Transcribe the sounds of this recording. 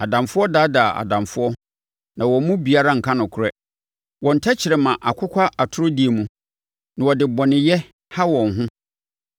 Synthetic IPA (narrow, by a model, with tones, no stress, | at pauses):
a˨dã˨mfʊ˦ɔ˦daː˨˦daː˨a̰˨dã˨mfʊ˦ɔ˦ | nã˨wɔ˨mũ˦bi˨a˦ɾa˦ŋ̩˨kʰã˦nʊ̃˨kʰɾɛ˦ | wɔ̃˨n̩˨tʰa˦t͡ɕʰɪ˨ɾɛ˨mã˨ʔa˨kʰʊ˦kʷʰa˦ʔa˨tʰʊ˦ɾʊ˦di˨e˨mũ˨ | nã˨wɔ˨dɪ˨bɔ̃˨nɪ̃˨jɛ˦ | ha˦wɔ̃˨nɦʊ̃˦